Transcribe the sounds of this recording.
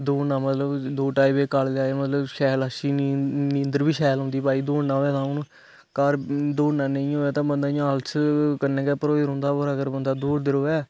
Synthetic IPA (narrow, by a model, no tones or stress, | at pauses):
d̪oːnãːmət̪ləbd̪oːʈaːibeːkald̪aːeːmət̪ləbʃɛːlaʃiːnĩːənd̪əɾbiːʃɛːlɦʊ̃nd̪iːpaːiːd̪oːɳnãːɛːt̪ãːʊn | kaɾd̪oːnãːnəĩːoːɛːt̪ãːbənd̪aːĩlt͡ʃʰkənɛ̃ːkɛːpəɾoːezɾɦʊ̃ːnd̪aːboɾaːkəɾbənd̪aːd̪uːɾd̪ɪɾoːɛː